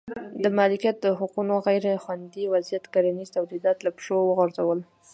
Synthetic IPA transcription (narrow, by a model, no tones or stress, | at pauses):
d̪əmɑlikjat̪̚d̪əɦʊqunoɣajɾexwand̪iwazijat̪kaɾanizt̪awlid̪ɑt̪lapʃowəɣaɾzawəl